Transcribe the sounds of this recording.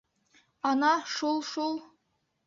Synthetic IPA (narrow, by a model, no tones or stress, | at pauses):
ɑnɑʃulˠʃulˠ